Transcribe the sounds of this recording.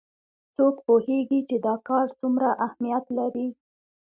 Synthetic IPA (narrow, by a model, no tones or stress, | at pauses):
t͡sokpoheɡit͡ʃed̪ɑkɑɾt͡sumɾaʔahmijat̪laɾi